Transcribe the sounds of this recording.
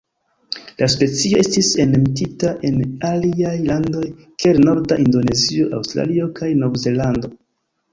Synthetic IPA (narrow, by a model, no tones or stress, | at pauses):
laspe̞t͡sio̞e̞stise̞nemtitaʔe̞naliajlando̞j | kelno̞ɾdaʔindo̞ne̞zio̞ʔa̰wstɾa̰lio̞kajnovze̞lando̞